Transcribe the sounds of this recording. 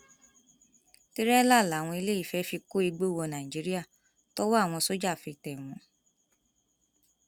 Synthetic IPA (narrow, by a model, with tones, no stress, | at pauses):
ti˦ɾɛ˦la˦˨la˨˦˨w̃ɔ̃˧i˧le˦i˦˨fɛ˨˦fi˧ko˦i˧ɡ͡bo˦˨wɔ˧nã˨i˨d͡ʒi˨˦ɾi˦a˦˨ | to˦wɔ˦a˦˨w̃ɔ̃˧so˦d͡ʒa˦˨fi˧tɛ˨mɔ̃˨˦